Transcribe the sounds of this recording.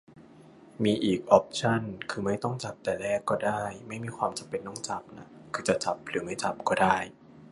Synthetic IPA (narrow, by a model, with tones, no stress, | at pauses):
miː˧ʔiː˨˩k̚ʔɔː˦˥p̚t͡ɕʰa˥˩nkʰɯː˧ma˥˩jt̪ɔ˥˩ŋt͡ɕa˨˩p̚t̪ɛː˨˩lɛː˥˩kːɔː˥˩daː˥˩jma˥˩jmiː˧kʰwaː˧mt͡ɕa˧˦mpe˧nːɔ˥˩ŋt͡ɕa˦˩p̚na˦˥ | kʰɯː˧t͡ɕa˨˩t͡ɕa˨˩p̚ɾɯː˩˦ma˥˩jt͡ɕa˨˩p̚kɔː˥˩daː˥˩j